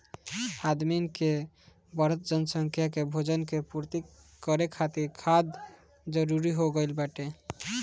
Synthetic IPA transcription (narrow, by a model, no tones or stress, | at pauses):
ad̪minke | bəɾət̪̚d͡ʒənsəŋkʰjakebʱod͡ʒənkepuɾt̪i | kəɾekʰat̪iɾkʰad̪ | d͡ʒəɾuɾiɦoɡəɪlbaʈe